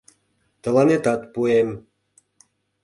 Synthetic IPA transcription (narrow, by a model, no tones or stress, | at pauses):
t̪ə̆lɑnet̪ɑt̪puem